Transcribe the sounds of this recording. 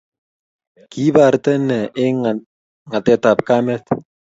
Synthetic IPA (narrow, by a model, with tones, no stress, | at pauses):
ki˦ba˨rt̪ɛ˦nɛ˨ʔɪ˦ŋ | ŋa˨t̪ɛ˨t̪a˨p̚ka˦mɛ˦t̪